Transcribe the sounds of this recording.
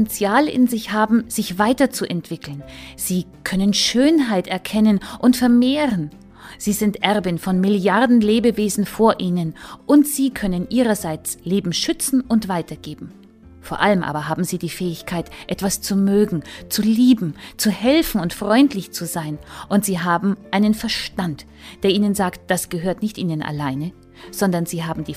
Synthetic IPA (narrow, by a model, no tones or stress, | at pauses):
ɛnt͡sjaːlɪ̰nzɪçhaːbm̩z̥ɪçv̥aɪtɐt͡suʔɛntv̥ɪkl̩nz̥iːkʰœnənʃøːnɦaɪtɛɐkʰɛnənʔʊntfɛɐmeːʁən | z̥iːzɪntʔɛʁbɪnfɔnmɪljaʁdn̩leːbəveːzn̩foːɐʔiːnənʔʊntz̥iːkʰœnənʔiːʁɐzaɪt͡sleːbm̩ʃʏt͡sn̩ʊntv̥aɪtɐɡ̥eːbm̩ | foːɐʔaləmʔa̰ːbɐɦaːbm̩ziːdiːfɛːɪçkʰaɪtʔɛtv̥ast͡sumøːɡŋ̩t͡suliːbm̩t͡suhɛlfn̩ʊntfʁ̥ɔʏntlɪçt͡suzaɪnʔʊntz̥iːɦaːbm̩ʔaɪnənfɛɐʃtant | d̥eːɐʔiːnənzaːkt̚d̥asɡ̥əɦøːɐtnɪçtʔiːnənʔa̰laɪnə | z̥ɔndɐnziːɦaːbm̩diː